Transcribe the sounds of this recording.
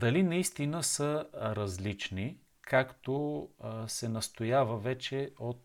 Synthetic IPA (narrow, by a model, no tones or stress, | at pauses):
d̪ɐlinɐist̪inəsəɾɐzlit͡ʃni | kʰakt̪o | sɛnɐst̪ojavəvɛt͡ʃɛot̪̚